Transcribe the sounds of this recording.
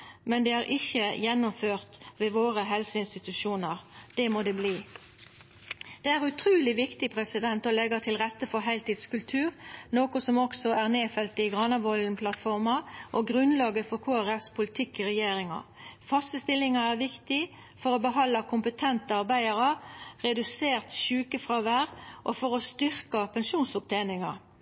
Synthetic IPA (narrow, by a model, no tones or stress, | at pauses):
mɛnd̪ɛæːʁʔɪçəjɛnːʊmføːʁt̪ʋeːʋoːɾəɦɛlsəɪnst̪ɪt̪ʉʃuːnəʁd̪̥ɛmoːd̪ɛːbliː | d̪̥ɛæʁʉt̪ʰɾʉːlɪʋɪkt̪ɪpʰɾɛsɪd̪ɛnt̪ɔlɛɡət̪ʰɪlʁɛt̪ːəfɔɦæɪlt̪iːd̪skʉlt̪ʰʉːʁnoːkʊsɔmɔksɔæʁneːfɛlt̪əɪɡʁɑnɑʋɔln̩pʰlɑt̪fɔʁmɑʔoɡʁʉnlɑːɡəfɔʁkʰoːæʁɛfspʰʊlɪt̪ʰɪkːɪʁɛjeːɾɪŋɑ̰ | fɑsəst̪ɪlɪŋɑæʁʋɪkt̪ɪ | fɔʁobəɦɑlːɑkʰʊmpət̪ʰɛnt̪əɑʁbæɪɑʁəʁɛd̪ʉseːʁt̪ʃʉːkəfʁɑʋæːʁʔofɔʁɔst̪ʏʁkɑpʰɛnʃuːnsʊp̚t̪ʰeːnɪŋɑ̰